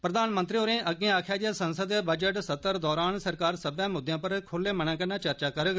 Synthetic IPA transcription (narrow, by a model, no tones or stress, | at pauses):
pɾəd̪aːnmə̃nt̪ɾioɾẽːʔəɡẽːaːkʰjaːd͡ʒiaːsənsəd̪bəd͡ʒəʈsət̪ːəɾd̪ɔːɾaːnsəɾkaːɾsəbjãːmʊd̪ɪjãːpəɾkʰʊlːẽːməɳãːkənaːt͡ʃəɾt͡ʃaːkəɾ